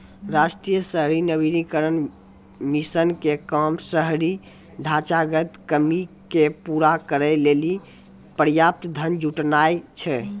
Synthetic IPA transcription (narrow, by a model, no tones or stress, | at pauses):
ɾasʈɾijəsəɦɾinəβiɾikəɾən | misənkekəmsəɦɾi | ɖʱat͡ʃaɡət̪kəmikepuɾakəɾəleli | pəɾjap̚t̪d̪ʱənd͡ʒuʈnajt͡ʃʰɛ